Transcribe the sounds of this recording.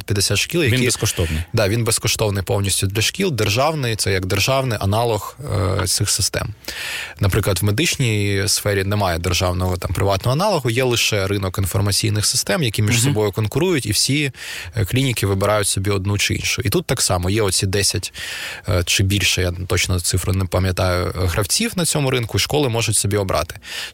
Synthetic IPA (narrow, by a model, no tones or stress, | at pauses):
pʲjɐd̪esʲat̪ʃkʲilˠjɐiskɔʃt̪ɔwnɪjd̪ɑʋʲinbeskɔʃt̪ɔwnɪjpɔwnʲisʲtʲʊd̪lʲɐʃkʲilˠd̪erʒɑwnɪjt̪sɛjɐɡd̪erʒɑwnɪʔɐnɑlˠɔxt̪sɪxsɪst̪ɛ̰mnɐpɾɪklˠɐt̪wmed̪ɪt͡ʃnʲijsfɛɾʲinɛmɑjɛd̪erʒɑwnɔɦɔt̪ɑmpɾɪʋɑt̪nɔɦɐnɑlˠɔɦʊjɛlˠɪʃɛɾɪnɔkinfɔrmɐt͡sʲijnɪxsɪ̥st̪ɛmjɐkʲimʲiʃsɔbɔjʊkɔnkʊɾujʊtʲiwsʲiklʲinʲikʲɪʋɪbɪɾɑjʊtʲsɔbʲiɔd̪̚nut͡ʃɪḭnʃʊit̪ut̪ːɑksɑmɔjɛɔsʲid̪ɛsʲɐtʲ | t͡ʃɪbʲilʲʃɛjat̪ɔt͡ʃnɔt̪sɪfɾʊnɛpɐmʲjɐt̪ɑjʊ̰ɦɾɐwt͡sʲiwnɐt͡sʲɔmʊɾɪnkʊiʃkɔlˠɪmɔʒʊtʲsɔbʲiɔbɾʔɑ̰t̪ɪ̥